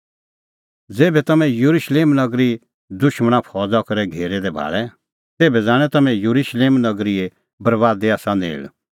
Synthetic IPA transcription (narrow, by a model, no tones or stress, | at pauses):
d͡zeːbɛt̪ɐmɛ̃juɾuʃleːmnɐɡɾi | d̪ʊʃməɽ̃ãpʰɔːd͡zakɐɾɛɡʱeːɾɛd̪ɛbʱa̰ːɭɛ | t̪eːbɛd͡zaːɽ̃ɛt̪ɐmɛ̃juɾuʃleːmnɐɡɾie | bɐɾʋaːd̪eaːsãnḛːɭ